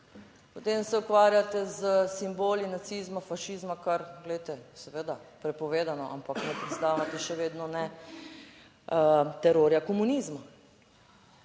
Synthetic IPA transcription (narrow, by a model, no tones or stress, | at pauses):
pot̪eːmsɛukʋaːɾjat̪ɛzəsimboːlinat̪sizmafaʃiːzmakaɾɡlɛjt̪ɛsɛʋed̪apɾɛpɔʋeːd̪anɔʔa̰mpaknɛpɾɛt̪st̪aːʋat̪ɛʃɛʋeːd̪nɔnɛ | t̪ɛɾoːɾjakɔmuniːzma